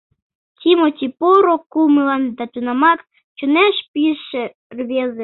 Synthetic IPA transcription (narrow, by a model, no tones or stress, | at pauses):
tʲimot̪ʲipoɾokumɨlɑnd̪ɑt̪unɑmɑk | t͡ɕunæʃpʲiʃĕ | rβʲezĕ